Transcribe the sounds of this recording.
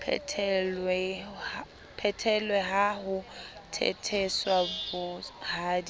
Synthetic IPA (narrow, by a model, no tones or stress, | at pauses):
pʰɛlwɛ | pʰɛtʰɛlwɛɦaɦʊtʰɛ̰tʰeswabʊhaːdi